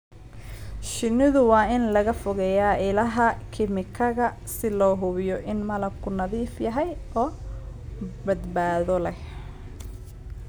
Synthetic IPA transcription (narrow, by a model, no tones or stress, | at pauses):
ʃɪnːɪðʊwɑːɪnlɐɣɐfʊɣɛjaːʔɪlɐɦɐkʰɪmɪkʰɐɣɐ | sɪlɔːɦʊβɪjɔʔɪnmɐlɐbkʰʊnɐðiːfjɐɦɛjʔɔː | bɐd̪baːðɔlɛh